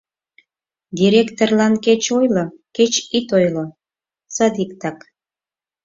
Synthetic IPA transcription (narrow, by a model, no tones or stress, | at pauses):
d̪ʲiɾʲekt̪orlɑnket͡ɕojloket͡ɕit̪ojlo | t͡sɑd̪ikt̪ɑk